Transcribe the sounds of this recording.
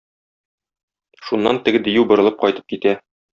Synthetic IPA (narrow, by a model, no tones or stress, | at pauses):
ʃunːɑnt̪ɘ̆ɡɘd̪ɘ̆jʉwbŏɾɤ̆lˠɤp̚qɒjt̪ɤ̥p̚kit̪æ